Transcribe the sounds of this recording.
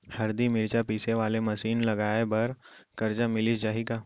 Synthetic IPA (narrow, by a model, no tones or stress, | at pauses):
hɐɾd̪imɪɾt͡ʃapiːseʋaːlemɐʃiːnlɐɡaːebɐɾkɐɾd͡ʒamɪlɪd͡ʒaːɦikaː